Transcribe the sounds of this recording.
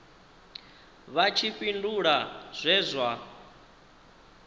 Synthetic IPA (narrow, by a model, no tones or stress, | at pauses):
βat͡ʃʰiɸinduɺaz̥ʷɛzʷa